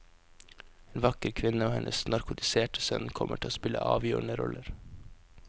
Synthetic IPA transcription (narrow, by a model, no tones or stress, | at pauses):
eːnʋɑkəɾkʰʋɪnəoːhɛnʔəsnɑɾkʊt̪ɪseːʈəsœnkʰɔməʈʰɪloːspɪlə̰ʔɑːʋjøːɳəɾɔlʔəɾ